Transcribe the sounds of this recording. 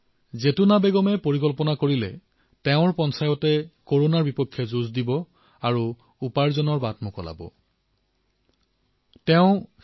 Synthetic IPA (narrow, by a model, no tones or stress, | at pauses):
zetunabeɡɔmɛpoɹikɔlpɔnakoɹilɛ̰ | tɛʊ̃ɹpɔnsajɔtɛkoɹonaɹbipɔkʰːjɔzuzdibɔ | aɹu | upaɹzɔnɔɹbatmʊkɔla̰bɔ̰ | tɛʊ̃